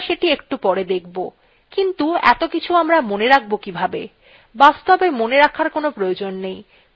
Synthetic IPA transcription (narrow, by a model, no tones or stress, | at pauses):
ʃeʈiekʈupɔɾed̪ek̚ʰbo | kint̪uɛ̰t̪okit͡ɕʰuamɾamoneɾak̚ʰbokibʱabḛ | bast̪obemoneɾakʰaɾkonopɾojod͡ʑonːej